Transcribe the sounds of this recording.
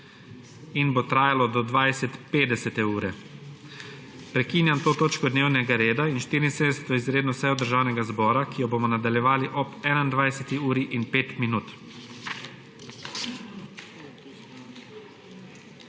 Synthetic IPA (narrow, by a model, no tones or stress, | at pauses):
inbot̪ɾaːjalɔd̪ɔd̪ʋajsɛt̪peːd̪ɛsɛt̪ɛuːɾɛ | pɾɛkiːnjant̪oːt̪oːt͡ʃkɔd̪newnɛɡaɾeːd̪ainʃt̪iːɾinseːd̪ɛsɛt̪ɔizɾeːd̪nɔsɛjɔd̪əɾʒaːwnɛɡazbɔːɾakijɔbomɔnad̪aljɛʋaːliʔɔpɛnand̪ʋajsɛt̪iuːɾiʔinpeːt̪minuːt̪